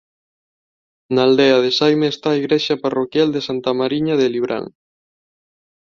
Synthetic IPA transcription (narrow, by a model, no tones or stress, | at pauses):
naːld̪eɐð̞esajmeːst̪aːiɣɾeʃɐparokjald̪esant̪amaɾiɲaðeliβɾʔa̰ŋ